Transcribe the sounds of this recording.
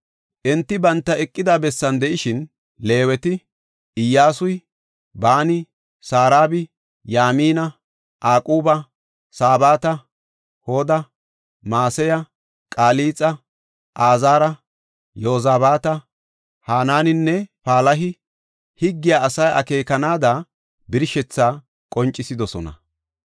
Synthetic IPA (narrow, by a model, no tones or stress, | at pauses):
ʔɛnt̪ːɪbɐnt̪ːɐɛkʼːɪd̪aːbɛsːɐnd̪ɛʔɪʃɪn | le̞ːwɛt̪ɪ | ʔɪjːaːsʊj | baːnɪ | saːɾaːbɪ | jaːmiːnɐ | ʔaːkʼuːbɐ | saːbaːt̪ɐ | hoːd̪ɐ | maːsɛjɐ | kʼaːliːt͡sʼɐ | ʔaːzaːɾɐ | joːzaːbaːt̪ɐ | haːnaːnɪnːɛpaːlɐɦɪ | hɪɡːɪjaːɐsɐjʔɐ̰ke̞ːkɐnaːd̪a | bɪɾʃɛt͡sːaː | kʼɔnt͡ʃʼːɪsɪd̪ɔsɔnɐ̰